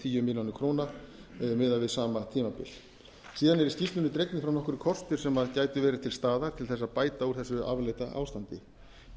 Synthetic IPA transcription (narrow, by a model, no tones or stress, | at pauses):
t̪ʰiːjʏmɪljawnʏkʰɾoːwnamɪðavɪðsaːmat̪ʰiːmapɪ̰l | siːðanɛɾɪscist̪ʏnɪt̪ɾejknɪfɾawnɔhkʏɾkʰɔr̥st̪ʏɾ̥sɛmaðcaːjt̪ʏvɛːɾɪt̪ʰɪlst̪aːðaɾ̥t̪ʰɪlθɛs̬ːaðpaːjt̪auɾ̥θɛsːʏa̰vlejt̪aʔa̰ːwst̪ant̪ɪ